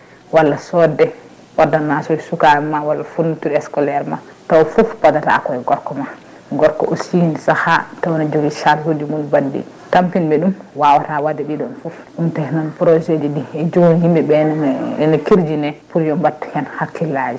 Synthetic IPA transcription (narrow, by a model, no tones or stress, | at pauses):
walːasɔdɛ | wadanasɔsukaɛːawalːafunːutuɾɛskɔlɛɾma̰tawfufbadata̰a̰kɔɛɡɔɾkɔma | ɡɔɾkɔ̰ʔosinsahatawnad͡ʒoɡiʃalhudimunbadːḭ | tampinbɛɗumwawatawadɛɗiɗɔnfufɗumtɛhnɔnpɾɔd͡ʒed͡ʒidiɛd͡ʒoɡunhimbɛbɛɛnɔkiɾd͡ʒinɛpuɾjɔmbatːhɛnhakːilad͡ʒi